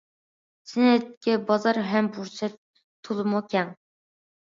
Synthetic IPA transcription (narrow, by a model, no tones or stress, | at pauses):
sɪnɛt̪̚kʲɛbɑzɑɾɦɛmbuɾt͡ʃʰɛ | t̪ʰːulˠɨmukʲʰɛŋ